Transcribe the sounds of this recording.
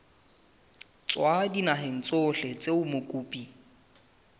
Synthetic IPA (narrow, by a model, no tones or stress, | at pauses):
t͡sʼwadinaɦeŋ̩t͡sʼoɬɛt͡sʼeʊmʊkʼuːpʼi